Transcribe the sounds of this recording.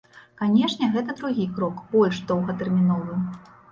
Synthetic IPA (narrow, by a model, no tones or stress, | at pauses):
kanʲɛʂnʲɛɣɛt̪ɐd̪ɾuɣʲikɾɔkbɔlʲʂd̪ɔwɣɐt̪ɛrmʲinɔvɨ